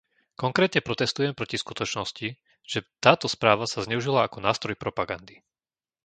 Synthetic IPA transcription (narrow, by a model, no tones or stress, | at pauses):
kɔŋkɾɛːt̪ɲɛpɾɔt̪ɛst̪ujɛmpɾɔciskut̪ɔt͡ʃnɔsci | ʒ̥ɛt̪aːt̪ɔspɾaːʋasazɲɛuʒilaakɔnaːst̪ɾɔjpɾɔpaɡand̪i